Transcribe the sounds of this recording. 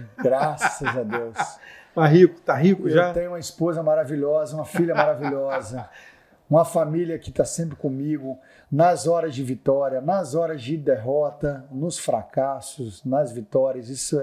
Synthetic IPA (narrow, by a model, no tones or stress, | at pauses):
ɡɾassɐzad̪ewst̪aɦikʊ̥t̪aɦikʊeʒat̪ẽj̃ũmɐispozɐmaɾaviʎɔzɐũmɐfiʎɐmaɾaviʎɔzɐ | ũmɐfamiliɐkɪt̪asẽmpɾɪkõmiɡʊ | nɐzɔɾɐzd͡ʒɪvit̪ɔɾiɐnɐzɔɾɐzd͡ʒɪd̪eɦɔt̪ɐnʊsfɾa̰kasʊznɐzvit̪ɔɾiɐzisʊɛ